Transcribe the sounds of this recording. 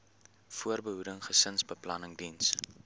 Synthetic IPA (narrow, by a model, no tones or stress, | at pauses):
fuərbəɦudəŋχəsənsbəplɐnəŋdins